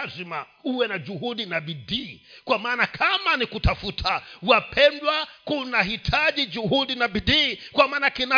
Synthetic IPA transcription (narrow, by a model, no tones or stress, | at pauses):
zima | uwɛnad͡ʒuhuɗinaɓiɗiːkwamaːnakʰamanikutafutʰawapʰɛndwakunahitʰaʄid͡ʒuhuɗinaɓiɗiːkwamaːnakina